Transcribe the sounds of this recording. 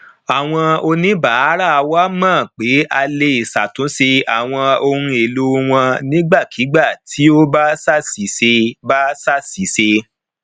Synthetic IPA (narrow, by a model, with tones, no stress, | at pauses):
a˨w̃ɔ̃˧o˧nĩ˦ba˨˦a˦ɾa˦˨˧wa˦mãː˦˨k͡pe˨˦ʔa˧le˧i˨sa˨tũ˨˦se˧a˨w̃ɔ̃˧o˧hũ˧e˨lo˦˧w̃ɔ̃˧nĩ˦ɡ͡ba˦˨kʰi˨˦ɡ͡ba˦˨tʰi˨˦o˦ba˦sa˦si˨˦se˧ba˦sa˦si˨˦se˧